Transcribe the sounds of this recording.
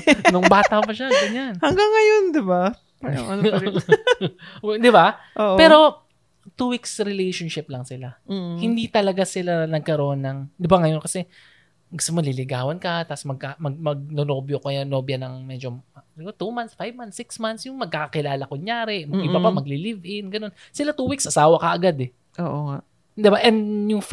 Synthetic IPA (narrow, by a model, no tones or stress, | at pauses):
nʊŋbaːt̪ɐpɐʃaɡɐɲanhɐŋɡaŋːɐjond̪ɪba | paɐ̰ɐn | ɛd̪ɪbaʔoːʔpɛːɾo̞ | t̪uwiksɾɪlɛjʃonʃɪp̚lɐŋsɪlahɪnd̪it̪ɐlɐɡasɪlanɐɡ̚kɐɾoʔonːɐŋd̪ɪbaŋɐjo̞nkɐsɛ | ɡʊst̪omolɪlɪɡaːwɐnkɐt̪asmɐɡ̚kamɐɡ̚mɐɡ̚nonoːbjokɐjanoːbjɐnɐŋmɛd͡ʒoɪɡot̪umansfajvmant̪sɪksmansjʊŋmɐɡ̚kaːkɐkɪlaːlɐkʊŋjaːɾɛʔmɐɡɪbabamɐɡ̚lɪlivʔɪnɡɐno̞nsɪlat̪uːwiksʔɐsaːwɐkɐʔɐɡad̪ɛ | ʔoːʔoŋa | d̪ɪbaʔɛnd̪jʊŋf